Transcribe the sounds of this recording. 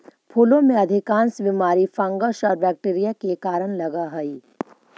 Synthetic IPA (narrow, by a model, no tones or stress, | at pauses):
pʰuːlõmẽɐd̪ʱɪkãːnsʋimaːɾifɐ̃ŋɡəʃɔːɾbɛːk̚ʈeːɾijakekaːɾəɽ̃lɐɡaɦɐiː